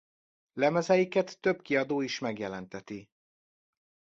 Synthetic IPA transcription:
lɛmɛzɛjikɛt̪ːø̞bkiɒd̪oːiʃmɛɡjɛlɛnt̪ɛt̪i

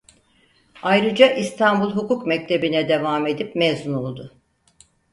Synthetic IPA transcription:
ajɾɯd͡ʒaʔist̪ʰanbulˠɦukukmɛc̚t̪ʰe̞binɛd̪e̞vaːme̞d̪ipmɛzunolˠd̪ʊ

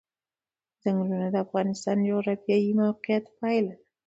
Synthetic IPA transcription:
z̥aŋɡlunad̪əafɣɑnɪst̪ɑnd͡ʒoɣɾabjɑjimawqijat̪pɑjla

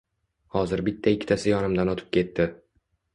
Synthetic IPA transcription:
hɒzɪɾbɪt̪ʰːaɪkʲʰːɪt̪ʰasɪjɒnɪmd̪anɒt̪ʰɪ̥p̚kʲe̞t̪ːɪ

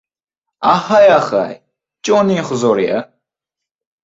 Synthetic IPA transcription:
ahajaχa̰j | t͡ʃʼɔnĩːχzɔɾiɐ̰

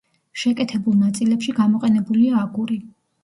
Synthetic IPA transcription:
ʃɛkʼɛt̪ʰɛbulˠnat̪sʼilɛpʃiɡamɔqʼɛnɛbuliaːɡuɾi

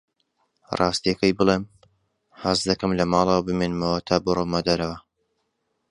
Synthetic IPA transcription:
rʔɑːst̪ijɐkɐjbɨlˠeːm | hɐzd̪ɐkɐmlɐmɑːlˠɐwɐbɨmenmɐwɐt̪ʰaːbɨromad̪ɐɾɐwɐ

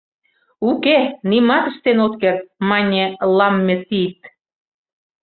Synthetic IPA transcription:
ukenimɑt̪əʃt̪enot̪kert̪̚mɑnʲelɑmːet̪it̪

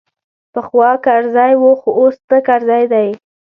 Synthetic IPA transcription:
pəxwɑkaɾzɑjwoxoʔost̪əkaɾzɑjd̪aj

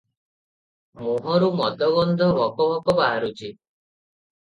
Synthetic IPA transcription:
moɦɔɾumɔd̪ʱɔɡɔnd̪ʱɔbɔkɔɦɔkɔbaɦaɾut͡ʃʰi

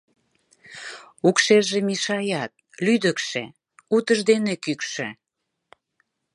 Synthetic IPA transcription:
ukʃeʒemiʃɑjɑt̪̚ | lyd̪əkʃḛ | ut̪əʒd̪enekykʃĕ

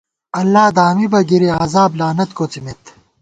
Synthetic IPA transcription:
ɐlːaːd̪aːmibɐɡiɾiaːzaːblaːnɐt̪koːt͡simet̪

